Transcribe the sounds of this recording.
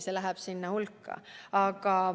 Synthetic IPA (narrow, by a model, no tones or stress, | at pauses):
selæɦæb̥sinːɑhulkːɑ̰ɑɡ̥ɑ